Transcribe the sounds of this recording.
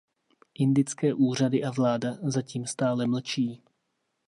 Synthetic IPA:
ʔɪndɪt͡skɛːʔuːr̝adɪʔavlaːdazaciːmst̪aːlɛml̩t͡ʃiː

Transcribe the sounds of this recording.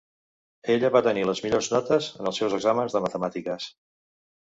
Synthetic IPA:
eʎəβat̪əniləzmiʎorznɔt̪əzənəlˠsɛwzəɡzamənzðəmət̪əmat̪ikəs

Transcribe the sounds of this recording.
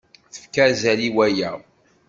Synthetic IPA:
θə̥fkæzæliwæjæ

